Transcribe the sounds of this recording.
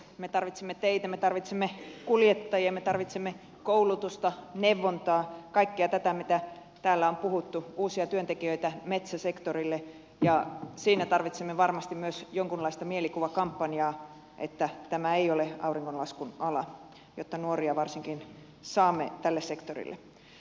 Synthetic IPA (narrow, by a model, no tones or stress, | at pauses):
met̪ɑrʋit̪semːet̪eit̪æmet̪ɑrʋit̪semːekuljet̪ːɑjɑmet̪ɑrʋit̪semːe | koulut̪ust̪ɑneʋːont̪ɑːkɑikːeɑt̪æt̪æmit̪æ | t̪æːlːæompuhut̪ːuuːsiɑt̪yønt̪ekiøit̪æmet̪sæsekt̪orilːe | jɑsiːnæt̪ɑrʋit̪semːeʋɑrmɑst̪immyøsjoŋkunlɑist̪ɑmielikuʋɑkɑmpːɑnjɑː | ʔḛt̪ːæt̪æmæeioleɑ̰uriŋːkonlɑskunɑlɑ | jot̪ːɑnuoriɑʋɑrsiŋkin | sɑːmːet̪ælːessekt̪orḭlːḛ